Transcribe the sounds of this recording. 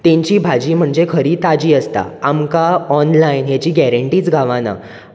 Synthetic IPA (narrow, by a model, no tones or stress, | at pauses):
t̪ẽɲt͡ɕiːbʱad͡ʑiːm̤əɳd͡zekʰəɾiːt̪ad͡ʑiːəst̪a̰amkaɔnlainjat͡ɕiːɡɛɾəɳʈiːt͡sɡʱaʋãna̰